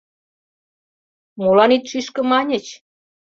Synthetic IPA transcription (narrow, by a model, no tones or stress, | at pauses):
molɑnit̪ʃiʃkə̆mɑnʲĕt͡ɕ